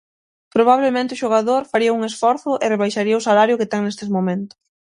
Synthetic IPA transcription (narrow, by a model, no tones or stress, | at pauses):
pɾoβaβlemẽnt̪ɪʊʃoɣaðoɾfaɾiɐuŋesfɔɾθʊʔɪreβ̞ajʃaɾiɐʊsalaɾjʊket̪ɛŋnest̪emomẽnt̪ʊ̥s